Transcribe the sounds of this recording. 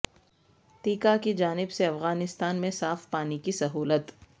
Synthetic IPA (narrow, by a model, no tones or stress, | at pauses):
t̪iːkakid͡ʒaːnɪbseɐfɣaːnɪst̪aːnmẽsaːfpaːnikisɐɦuːlət̪